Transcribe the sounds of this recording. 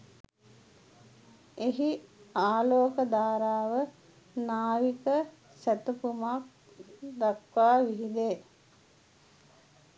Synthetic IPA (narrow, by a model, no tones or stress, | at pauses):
eɦiaːloːkəd̪aːɾaːʋə | naːʋikə | sæt̪əpumak̚ | d̪akʋaːʋiɦid̪eː